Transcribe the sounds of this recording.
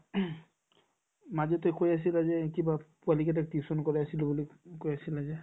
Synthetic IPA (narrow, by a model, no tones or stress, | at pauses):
mazɔtɔkojas̬ilazɛkibapualik̬ɛtak̚tisɔnkɔɹɛasilobulikojasilazɛ